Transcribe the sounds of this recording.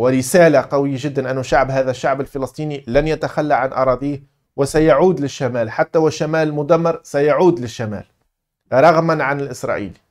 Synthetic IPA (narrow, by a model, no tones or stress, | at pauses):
wɪɾɪsæːlaqɑwɪjːaʒɪd̪ːanʔɪnːʊʃaʕbɦæːðæʃːaʕbɪlfɪlɑsˤt̪ˤiːnilænjat̪axalːaʕanʔɑ̰ɾˤɑːd̪iːh | wɪsajaʕuːd̪lɪʃːamæːlħat̪ːawɪʃːamæːlmʊd̪æmːɑɾˤsajaʕuːd̪lɪʃːamæ̰ːl | ɾˤɑɣmanʕanɪlʔɪsɾˤɑ̰ːʔḭːli